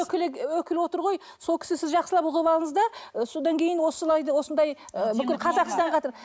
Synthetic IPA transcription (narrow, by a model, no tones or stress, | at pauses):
kʲɪlɪwɵkʲɪlwo̞t̪əɾʁo̞j | so̞lˠkʲɪ̥sɪsɪzʒɑqsəlˠɑpʊʁəbɑlˠəɴəzd̪ɑəso̞d̪ɑŋkʲʰe̞jɪnwo̞səlˠɑjd̪wo̞sənd̪ɑjəbɪkʲɪlqʰɑzɑqst̪ɑɴqʰɑt̪əɾ